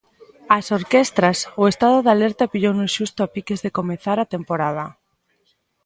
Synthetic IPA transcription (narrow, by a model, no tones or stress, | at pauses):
asoɾkest̪ɾasʊest̪aðʊðaleɾt̪apiʎownʊʃust̪ʊapikezðekomeθaɾat̪empoɾað̞a